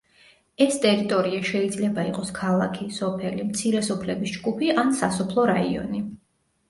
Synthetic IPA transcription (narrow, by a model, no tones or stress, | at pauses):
ɛst̪ʼɛɾit̪ʼɔɾiaʃɛid̪zlɛbaiqʼɔskʰalˠa̰kʰisɔpʰɛlimt̪sʰiɾɛsɔpʰlɛbisd͡ʒɡupʰiansasɔpʰlˠɔɾaiɔ̰ni